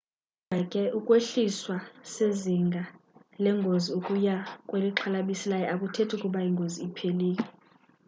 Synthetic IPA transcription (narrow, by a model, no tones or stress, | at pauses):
akʼɛʔukʼweɬiswaseziŋɡʱalɛŋɡʱoziukʼujakʼweliǁʰalaɓisilajɛʔakʼutʰetʰukʼuɓaiŋɡʱoziːpʰeliːk̬ʼɛ